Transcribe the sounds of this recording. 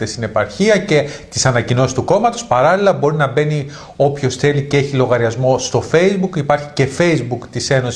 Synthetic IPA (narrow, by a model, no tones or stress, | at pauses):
t̪est̪ine̞pɐɾçiɐce̞t̪isɐnɐcino̞si̥st̪uko̞mɐt̪o̞spɐɾɐlilɐbo̞ɾinɐbe̞ni | o̞pço̞sθe̞lice̞eçilo̞ɣɐɾiɐzmo̞st̪o̞fe̞jzbukipɐɾçice̞fe̞jzbukt̪ise̞no̞si